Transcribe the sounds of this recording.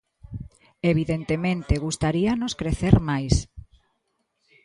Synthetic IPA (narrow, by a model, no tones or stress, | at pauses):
eβiðent̪emẽnt̪eɣust̪aɾianoskɾeθeɾmajs